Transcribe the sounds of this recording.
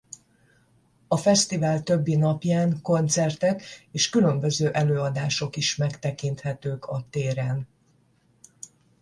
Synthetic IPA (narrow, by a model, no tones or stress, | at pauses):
ɒfɛst̪ivaːlt̪ø̞bːinɒpjaːŋko̞nt̪sɛrt̪ɛkeːʃkylømbø̞zøːʔɛløːɒd̪aːʃo̞kiʃmɛkt̪ɛkint̪hɛt̪øːkʰɒt̪eːɾɛn